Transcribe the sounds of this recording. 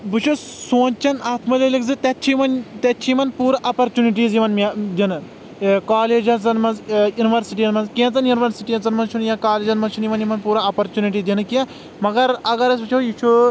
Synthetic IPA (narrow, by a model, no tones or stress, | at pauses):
bɨt͡ʃʰusoːnt͡ʃɐnaːt̪ʰmɐlɐlikzɨt̪ʲɐtːt͡ʃʰimɐnt̪ʲɐt͡ʃʰimɐnpuːɾaʔɐpɐɾt͡ʃuniʈ̬iːzjiʋɐnmʲad̪ʲinɨ | kaːleːd͡ʒɐnt͡sɐnmɐnzjuniʋɐɾsiʈijɐnmɐnzkẽnt͡sɐnjuniʋɐɾsiʈijɐnt͡sɐnmɐnt͡ʃʰunjãkaːleːd͡ʒɐnmɐnt͡ʃʰunjimɐnjimɐnpuːɾɐɐpɐɾt͡ʃuniʈ̬id̪inɨkiɐ̃ | mɐɡɐɾɐɡɐɾɐsbɨt͡ʃʰojit͡ʃʰu